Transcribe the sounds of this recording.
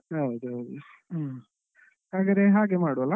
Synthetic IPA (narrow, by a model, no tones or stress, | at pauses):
ɐwd̪uɦɐwd̪u | haːɡɐɾeɦaːɡemaːɽuɐlːa